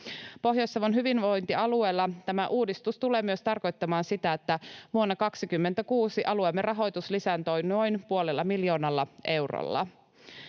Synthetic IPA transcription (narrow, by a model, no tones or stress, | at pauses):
po̞ɦjo̞jsːɑʋonɦyʋinʋo̞jnt̪iɑlue̞ːlːɑt̪æmæʔuːdist̪ust̪ule̞ːmyø̞st̪ɑrko̞jt̪ːɑmɑːnsit̪æet̪ːæʋuonːɑkɑksikymːent̪ækuːsiʔɑluemːerʔɑɦo̞jt̪uslisænt̪o̞jno̞jnpuo̞lelːɑmiljo̞ːnɑlːɑʔe̞wro̰lːɑ̰